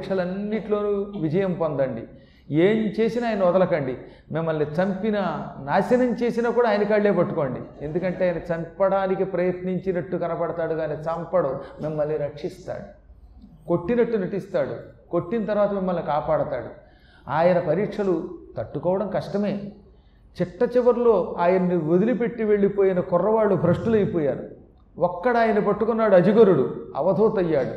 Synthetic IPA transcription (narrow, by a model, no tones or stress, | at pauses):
kʂɐlɐnːiʈlo̞ːnuʋid͡ʒɐjɐmpond̪ɐɳɖi | eːmt͡ʃe̞ːsinaːjɐnɐʋɔd̪ɐlɐkɐɳɖi | mimːɐlːit͡ʃɐmpinɐnaːsɐnɐmt͡ʃeːsinaːkuːɽaːjɐnɐkaːɭːe̞ːpɐʈːuko̞ːɳɖḭe̞nd̪ukɐɳʈeaːjɐnɐt͡ʃɐmpɐɽaːnikipɾɐjɐt̪niɲt͡ʃinɐʈːukɐnɐpɐɽɐt̪aːɽuɡaːneːt͡ʃɐmpɐɽomimːɐlːiɾɐkʂist̪a̰ːɽu | ko̞ʈːinɐʈːunɐʈist̪aːɽṵkoʈːint̪ɐɾʋaːt̪ɐmimːɐlːikaːpaːɽɐt̪a̰ːɽu | aːjɐnɐpɐɾiːkʂɐlut̪ɐʈːukɔːʋɐɽɐmkɐʂʈɐme̞ː | t͡ʃɪʈːɐt͡ʃiʋɐɾlo̞ːaːjɐnɐnːiod̪ilipe̞ʈːiʋe̞ɭːipoːjinɐkɔrːɐʋaːɭːubʱɾɐʂʈulɐjpoːjaːɾṵ | ɔkːɐɽaːjɐnɐpɐʈːukunːaːɽuɐd͡ʒiɡɐɾuɽuɐ̰ʋɐd̪ʱoːt̪ɐjːaːɽṵ